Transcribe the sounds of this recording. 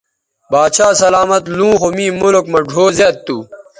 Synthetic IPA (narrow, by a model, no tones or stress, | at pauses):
baːt͡ɕaːsɐlaːmɐt̪lũːxomĩːmulokmɐɖʱoːzet̪̚t̪ːuː